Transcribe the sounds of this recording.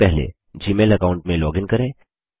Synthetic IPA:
pɛɦlḛ | d͡ʒiːmeːlɐkaːʊ̃ɳʈmẽlɔːɡɪ̃ŋkɐɾẽː

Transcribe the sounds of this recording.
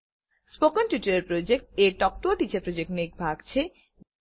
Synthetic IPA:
spokonʈjuʈaɾeɾpɾod͡ʑek̚ʈeʈɔk̚ʈoʈit͡ɕepɾod͡ʑek̚ʈnek̚bʱaɡt͡ɕʰe

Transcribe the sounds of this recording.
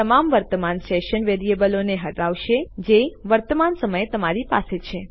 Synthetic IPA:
əmamʋəɾt̪əmansɛʃənʋeɾiebəloneɦəʈaʋʃed͡ʒeʋəɾt̪əmansəməjet̪əmaɾipa̰set͡ʃʰe

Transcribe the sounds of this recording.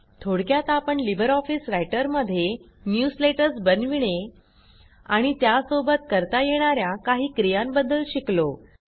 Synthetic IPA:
t̪ʰoɽkjat̪apəɳlibəɾɔfiːsɾajʈəɾməd̪ʱːje | njusleʈəɾsbənʋiɽ̃e | a̰ɽ̃it̪jasobət̪kəɾt̪ajeɽ̃aɾjakaɦiːkɾijambəd̪ːəlɕiklo

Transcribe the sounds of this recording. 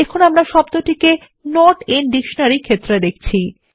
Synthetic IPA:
ekʰonamɾaʃɔb̚t̪oʈʰike | nɔɾʈenɖikʃonaɾikʰet̪ːɾed̪ek̚ʰt͡ɕʰi

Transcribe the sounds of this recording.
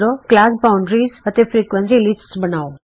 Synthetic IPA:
ɾoklaɡbaʊɳɖɾizət̪efɾikʋənsiliʈsbənao

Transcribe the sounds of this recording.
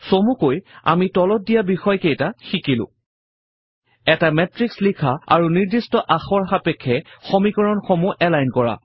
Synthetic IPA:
somukoja̰mitɔlɔt̚dijabixɔjkejtaxikilʊ̰̃ | ɛtamɛtɹikslikʰaa̰ɹuniɹdistɔʔaxɔɹxapɛkʰːɛxomikɔɹɔnxomuʔɛlajnkɔɹa̰

